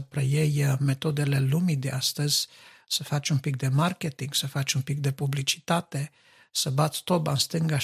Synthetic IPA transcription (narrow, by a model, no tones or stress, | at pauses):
əpɾejejme̞t̪o̞d̪ele̞lumid̪east̪əz̥ʲsəfat͡ʃunpik̚d̪e̞market̪iŋɡsəfat͡ʃʲunpik̚d̪e̞publit͡ʃi̥t̪at̪e̞ | səbat̪st̪obanst̪ɨŋɡa